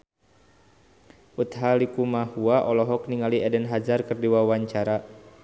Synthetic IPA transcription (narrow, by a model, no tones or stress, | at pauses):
ʔut̪ɦalikumahuaʔɔlɔɦɔk̚niŋaliɛdɛnɦad͡ʒarkərdiwawaɲt͡ʃaɾa